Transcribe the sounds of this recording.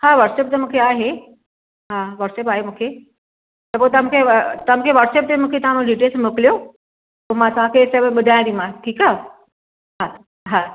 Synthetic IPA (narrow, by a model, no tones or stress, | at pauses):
haːʋɐɾʈseːp̚t̪ɐmũːkʰeaːɦe | ɦãːʋɐɾʈseːp̬aːɦemũːkʰe | t̪ɐpoːet̪ɐʋ̤ãkʰet̪ɐʋ̤ãkʰeʋɐɾʈseːp̚t̪emũːkʰet̪ɐʋ̤ãmũɖiʈelsmʊklijo | pomãt̪ɐʋ̤ãkʰesɐbɓʊd̪ʱaj̃d̪imãʈʰiːkaː | ɦa | ɦa